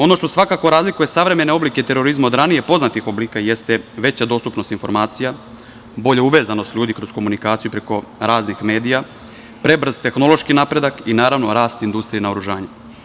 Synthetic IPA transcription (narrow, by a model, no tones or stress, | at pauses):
o̞no̞ʃt̪osʋakakoɾaːzlikuje̞saʋɾe̞me̞ne̞o̞blike̞t̪e̞ɾo̞ɾizmao̞d̪ɾanije̞po̞znat̪ixo̞bliːkaje̞st̪eʋe̞t͡ɕad̪o̞ːst̪upno̞st̪info̞ɾmaːt̪sija | bo̞ʎeuʋe̞ːzano̞st̪ʎʲuːd̪ikɾo̞sko̞munikaːt̪sijupɾeko̞ɾaːznixme̞ːd̪ija | pɾe̞br̩z̥t̪e̞xno̞lˠo̞ʃkinapɾe̞d̪akinaːɾaʋno̞ɾaːst̪ind̪ust̪ɾijinaoɾuʒaːɲe